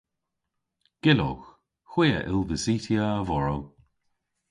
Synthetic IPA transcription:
ɡ̥ɪlo̰x | xw̥iːə̰ʔɪ̰lˠvəsiːtiəːvɔɹow

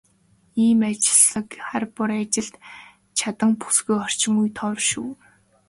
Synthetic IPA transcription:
iːmat͡ɕɪɮə̆kχarpʊɾat͡ɕɪ̆ɮt̪ | t͡ɕʰat̪ə̆ŋpu̥sɡujχɔr̥t͡ɕɪ̆ŋujt̪ʰɔrʃuː

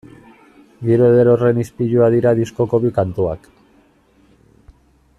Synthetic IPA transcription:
ɡiɾueðeɾore̞nispiʎuaðiɾaðisko̞ko̞βikant̪ua̰k

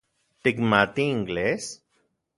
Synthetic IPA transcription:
ʈɪkmat̪iɪ̃ŋɡleːs

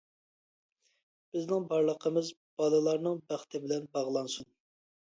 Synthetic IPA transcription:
b̥ɪznɪŋbɑɾlˠəqʰəmɪz | b̥ɑlˠɨlˠɑɾnɨŋbæχt̪ʰɪbɪlɛnbɑʁlˠɑnsun

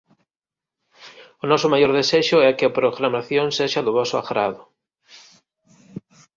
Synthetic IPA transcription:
ʊnɔsʊmajoɾðeseʃʊɛkɪɐpɾoɣɾamaθjoŋseʃɐðʊβɔsʊa̰ɣɾa̰ðʊ

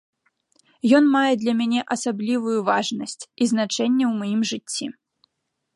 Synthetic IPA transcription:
jɔnmajɛd̪lʲɐmʲanʲɛʔɐsablʲivujuvaʐnɐsʲt͡sʲizn̪at͡ʂɛnʲːɛwmajimʐɨt͡st͡sʲːḭ

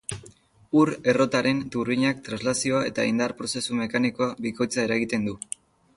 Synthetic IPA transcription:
uɾe̞ro̞t̪aɾe̞nt̪uriɲak̚t̪ɾanzlasioae̞̰t̪aind̪arpɾo̞se̞sume̞kanikoabiko̞jt͡sae̞ɾaɣit̪e̞nd̪u

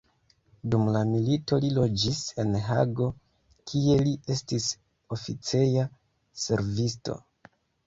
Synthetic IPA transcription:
dumlamilito̞lilo̞d͡ʒise̞nɦa̰ɡo̞ | kʰie̞liʔe̞stis | o̞fit͡se̞ja | se̞̰ɾvisto̞̰

